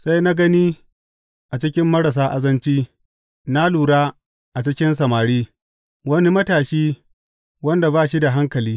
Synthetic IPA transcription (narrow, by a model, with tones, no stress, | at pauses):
sa˦jna˦ɡɐ˦niː˦ | ʔa˨t͡ʃɪ˦kʲɪ˦mːɐ˦ɽɐ˨s̬aː˦ʔa˦zɐ˦nt͡ʃiː˦ | na˦luː˨ɽaː˦ | ʔa˨t͡ʃɪ˦kʲɪ˦nsɐ˨maː˨ɽiː˦ | wɐ˦ni˦mɐ˦taː˨ʃiː˦ | wɐ˦nda˨baː˦˨ʃ̬i˦da˨ɦa˦ŋkɐ˨liː˦